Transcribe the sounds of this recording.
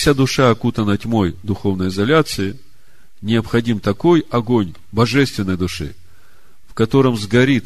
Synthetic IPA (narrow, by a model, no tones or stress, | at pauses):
sʲad̪ʊʂaɐkut̪ənətʲmo̞jd̪ʊxo̞vnəjɪzɐlʲat̪sɨɪ | nʲɪəpxɐdʲimt̪ɐko̞jɐɡo̞nʲ | bɐʐɛst̪vʲɪnːəjd̪ʊʂɨ̰ | fkɐt̪o̞ɾəmzɡɐɾʲit̪